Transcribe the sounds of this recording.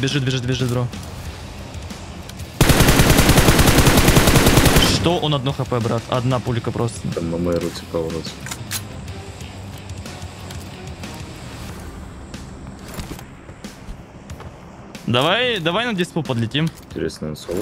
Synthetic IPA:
bʲɪʐɨt̪̚bʲɪʐɨt̪̚bʲɪʐɨt̪bɾo | ʂt̪oʔonɐd̪noxɐpɛbɾat̪ɐ̰d̪napublʲɪkəpɾosnɐmːɐməɾut͡sʲɪkavɾosʲ | d̪ɐvajd̪ɐvajnɐdʲɪspupəd̪lʲɪtʲimɪnʲtʲɪɾʲesnənsov

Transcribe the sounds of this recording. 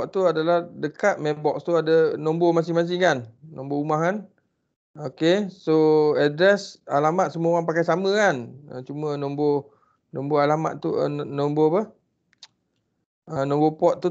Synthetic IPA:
pɔʔt̪uadalahdəkat̪̚mɛbɔkst̪uadənɔmbomasɪhmas̬ɪhkanːɔ̃mboumahkan | okesoɛdɾɛsalamat̪̚səmuaowaŋpakajsaməkanə̰t͡ʃumənɔmbo | nɔmboalama̰t̪̚t̪uə̰nɔmbopəh | ənɔ̃mbopɔt̪̚t̪ːu

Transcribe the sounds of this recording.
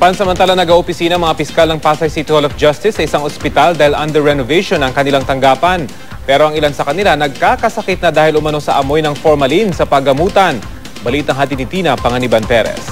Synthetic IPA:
pansɐmɐnt̪aːlɐŋnɐɡaʔopɪsiːnɐŋmɐŋapɪskalnɐŋpaːsɐjsit̪ɪɐlofd͡ʒɐst̪ɪsːɐʔɪsaŋospɪt̪ald̪aːhɪlʔɐnd̪ɛɹɛnovɛjʃonɐŋkɐnɪlaŋt̪ɐŋɡaːpɐn | pɛːɾoɐŋɪlansɐkɐnɪlanɐɡ̚kaːkɐsɐkɛt̪̚nɐd̪aːhɪlʊmɐno̞sɐʔɐmo̞jnɐŋfoɹmɐlinsɐpɐɡɐmuːt̪ɐn | bɐliːt̪ɐŋɦaːt̪ɪnɪt̪iːnɐpɐŋɐnɪbɐnpɛɾɛ̰s

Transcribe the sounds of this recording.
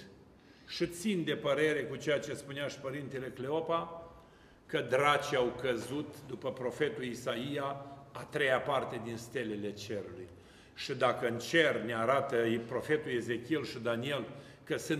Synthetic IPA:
ʃit̪sind̪e̞pəɾe̞ɾe̞kut͡ʃejat͡ʃe̞spuneaʃi̥pəɾint̪ele̞kle̞o̞pa | kəd̪ɾat͡ʃiawkəzut̪d̪upəpɾo̞fe̞t̪ulisaijaːt̪ɾe̞japart̪e̞d̪inst̪e̞le̞le̞t͡ʃe̞ɾulṵj | ʃid̪akəɨnt͡ʃe̞rneaɾat̪əpɾo̞fe̞t̪ueze̞kʲielʃid̪anie̞l | kəsɨn

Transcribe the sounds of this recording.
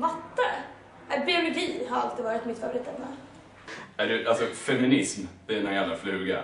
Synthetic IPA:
vat̪ːa | ɛbɪʊlʊɡiːɦaɾalt̪iːvɑːɾɪt̪mɪt̪fœɾvəɾiːt̪ɛmːə | æɖɵʔalsɔfɛmɪnɪsmɪnanjalːɾaflʉ̟ːɡa̰ɾ

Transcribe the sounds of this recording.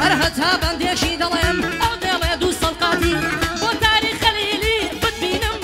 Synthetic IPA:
hɐɾɦɐt̪ʰaːbɐnd̪eːkʃiːd̪ɐlˠejnɐwd̪eːlˠejd̪uːsɐlqɑːt̪iːboːt̪aːɾiːχɐliːliːbɪd̪̚biːnɨm

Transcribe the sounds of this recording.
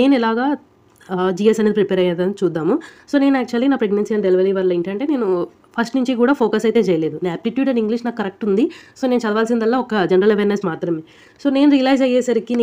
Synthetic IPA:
neːnilaːɡaː | d͡ʒiːjesɐnɐɾpɾipɛːɾɐjɐnd̪ɐnt͡ʃuːd̪ːaːmuso̞ːne̞ːnuæːk̚t͡ʃuɐlːinaːpɾeɡnɐnsiɐnɖeliʋɐliːʋɐlːɐeɳʈɐɳʈe̞ːne̞ːnu | pʰɐsʈnuɲt͡ʃikuːɽaːpʰoːkɐsɐjt̪e̞ːt͡ʃɛjɐle̞ːd̪unaːpliʈjuːʈɐniŋɡliʃnaːkːɐɾek̚ʈund̪iso̞ːne̞ːnut͡ʃɐd̪ɐʋaːlsind̪ɐlːaːɔkɐd͡ʒɐɳɾɐleʋeːɾnesmaːt̪ɾɐmi | so̞ːne̞ːnuɾiɐlɐjzɐjɛːsɐɾikin

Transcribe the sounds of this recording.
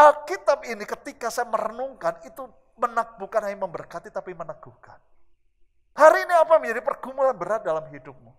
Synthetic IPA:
ʔalkit̪ab̚inikət̪ikasajaməɾənuŋkanit̪u | mənak̚b̥ukanɦajməmbərkat̪it̪apimənak̚ɡ̥ukan | haɾiːniapaməɲd͡ʒadipərɡ̥umulanbəɾat̪̚dalamɦidʊp̚mu

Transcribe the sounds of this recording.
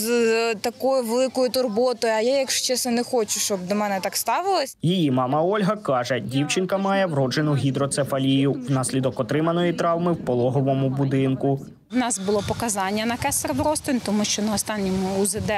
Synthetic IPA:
zt̪ɐkɔjʊʋelˠɪkɔjʊt̪ʊrbɔt̪ɔjʊɐjajɐkʃt͡ʃɛsɐnɛxɔt͡ʃʊʃt͡ʃɔbd̪ɔmɛnɛt̪ɑkst̪ɑʋɪlˠɐsʲjijimɑmɐɔlʲɦɐkɑʒɛdʲiwt͡ʃɪnkɐmɑjɛwɾɔd͡ʒenʊɦʲid̪ɾɔt̪sɛfɐlʲijʊwnɑsʲlʲid̪ɔkɔt̪ɾɪmɐnɔjit̪ɾɑwmɪwpɔlˠɔɦɔʋɔmʊbʊd̪ɪnkʊ | wnɑsbʊlˠɔpɔkɐzɑnʲːɐnɐkɛsɾd̪ɾɔst̪ɪnʲt̪ɔmuʃt͡ʃɔnɐɔst̪ɑnʲːɔmʊːzɪd̪ɛ

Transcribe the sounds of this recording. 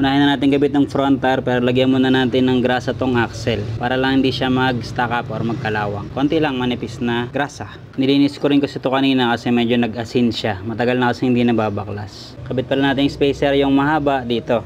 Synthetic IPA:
ʔʊnaːhɪnɐnaːt̪ɪŋɡɐbit̪̚nɐŋfɾont̪ɐɾpɛːɾolɐɡjɐnmunɐnaːt̪ɪnːɐŋɡɾaːsɐt̪oŋʔaksɛlpaːɾɐlɐŋhɪnd̪iʃamɐɡst̪akɐpʔoɾmɐɡ̚kɐlaːwɐŋko̞nt̪ɪlɐŋmɐnɪpɪsnɐɡɾaːsɐ | nɪliːnɪskoɾɪnkosɪt̪okɐniːnɐkɐsɛmɛd͡ʒonɐɡɐsinʃamɐt̪ɐɡalnɐkɐsɛhɪnd̪inɐbaːbɐkla̰s | kɐbɪt̪̚pɐlanaːt̪ɪnŋspɛjsɛɾjʊŋmɐhaːbɐʔd̪iːt̪o̞

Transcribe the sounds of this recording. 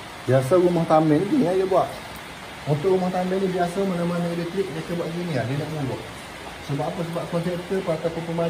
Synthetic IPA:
biasaɾumaht̪ambɛnɡinĩajəbuaʔ | unt̪ʊʔɾumaht̪ambɛnibiasamanamanaelɛk̚t̪ɾɪk̚dekəbuaʔ̚ɡinĩadinaʔmulʊʔ | səbaʔpəs̬əbap̚kɔnsɛpt̪əpat̪apʊnpəma

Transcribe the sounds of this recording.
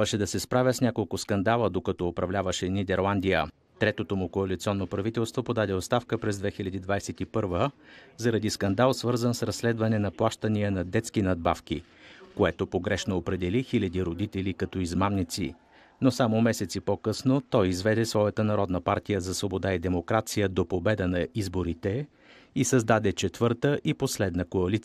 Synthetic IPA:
əʃɛd̪ɐsɛspɾavʲəsnʲakolˠkʊskɐnd̪alˠəd̪okɐt̪ɔːpɾɐvlʲavəʃɛnid̪ɛɾlˠand̪ijə | t̪ɾɛt̪ot̪omʊkoɐlit̪siɔnːopɾɐvit̪ɛlˠst̪vopod̪ad̪ɛot̪st̪afkəpɾɛzd̪vɛxilʲɐd̪id̪vajsɛt̪ipɤɾvəzɐɾɐd̪iskɐnd̪alˠsvɤɾzənsɾɐsːlɛd̪vɐnɛnɐplˠaʃt̪əniənɐd̪ɛt̪skinɐd̪̚bafk̟i | koɛt̪opoɡɾɛʃnoːpɾɛd̪ɛlixilʲɐd̪iɾod̪it̪ɛlikɐt̪ɔizmamnit̪sḭ | nosamomɛsɛt̪sipokɤsnot̪ɔjizvɛd̪ɛsvɔjət̪ənɐɾɔd̪nəpaɾt̪ijəzɐsvobod̪aid̪ɛmokɾat̪sijəd̪opobɛd̪ənɐizboɾit̪ɛ | isɐzd̪ad̪ɛt͡ʃɛt̪vɤɾt̪əʔiposlɛd̪nəkoɐlit̪s

